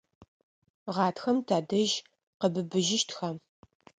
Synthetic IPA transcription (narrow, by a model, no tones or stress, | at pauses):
ʁɑːtxɐmtʰaːdɐʒ | qəbɨbɨʒɪʃtxaːm